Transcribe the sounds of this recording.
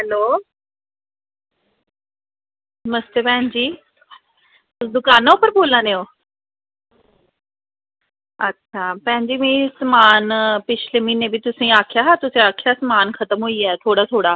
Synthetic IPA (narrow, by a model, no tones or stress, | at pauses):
ɦɛloː | nəməst̪eːpɛ̃ɦɪ̃ɲd͡ʑiː | ʊsd̪ʊkaːnaʊpəɾboːlãːd̪eːoː | ətːʃʰaːpə̃ɦɪ̃ɲd͡ʒiːmĩːsəmaːnpɪt͡ʃʰleːmĩːnebʱit̪ʊsĩːaːkʰɪjaːɦat̪ʊsĩaːkʰjaːsəmaːnkʰət̪əmɦʊiɛːt̪ʰoːɽaːt̪ʰoːɽaː